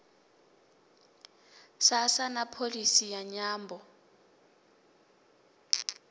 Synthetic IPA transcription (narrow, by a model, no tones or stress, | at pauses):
sasanapʰolisijaɲaːmbʱɔ